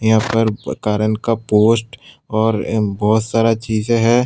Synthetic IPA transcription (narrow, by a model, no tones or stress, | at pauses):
jɐɦãpəɾkaːɾənkapoːsʈ | ɔːɾbɔːt̪saːɾat͡ʃiːzeɦɛː